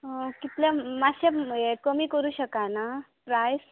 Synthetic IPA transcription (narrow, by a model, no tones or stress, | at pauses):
ɦokit̪ljamaɕaekəmiːkəɾuːɕəkana | pɾajs